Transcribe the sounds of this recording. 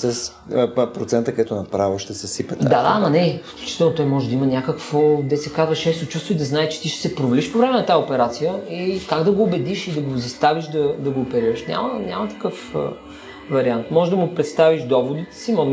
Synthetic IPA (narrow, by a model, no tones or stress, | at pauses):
sɛs | pɾot̪sɛnt̪əkd̪ɛt̪onɐpɾavəʃt̪ɛsɛsipɛt̪d̪ad̪amɐnɛfklʲu̥t͡ʃi̥t̪ɛlˠnot̪ɔjmɔʒɛd̪ɐimənʲakəkvod̪ɛsɛkazvɐʃɛst̪ot͡ʃust̪void̪ɐznaɛt͡ʃɛ̥t̪iʃɛ̥sɛpɾovliʃpovɾɛmɛnɐt̪aɛopɛɾat̪sijəikaɡd̪ɐɡoːbɛd̪iʃid̪ɐɡozɐst̪aviʃd̪ɐd̪ɐɡoːpɛɾiɾəʃnʲa̰mənʲa̰mət̪ɐ̥kɤf | vɐɾiant̪mɔʒɛd̪ɐmʊpɾɛt̪st̪aviʃd̪ɔvod̪it̪ɛ̥simon